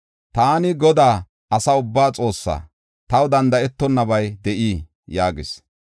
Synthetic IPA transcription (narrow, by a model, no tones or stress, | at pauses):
t̪aːnɪɡɔd̪aː | ɐsɐʊbːaːt͡sʼo̞ːsːa̰ː | t̪ɐwd̪ɐnd̪ɐɛt̪ːɔnːɐbɐjd̪ɛʔiː | jaːɡɪs